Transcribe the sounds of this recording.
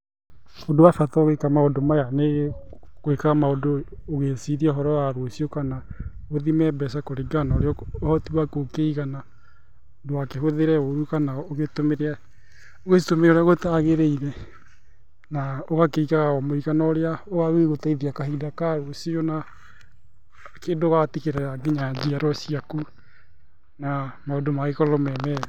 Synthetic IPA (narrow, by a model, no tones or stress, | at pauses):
odowafataoɣekamaodomajaneɣe | kwekaɣamaodoːɣesiðiaɔɦɔɾɔaɾwosiokanaoðimɛbɛsakoɾeɡanaoɾeɔhɔtiwakokeiɣana | odoakeɦoðeɾɛoɾukanaoɣetomeɾea | oɣetomeɾoɾeaɣotaɣeɾeiɾɛ | naoɣakeiɣaɣaɔmoiɣanɔoɾeaoɣaweɣotaiðiakaɦidakaɾosiɔna | keːndoɣatikeɾɛɾaɡeɲad͡ʒiaɾɔsiaku | namaodomaɣekɔlɔmɛmɛ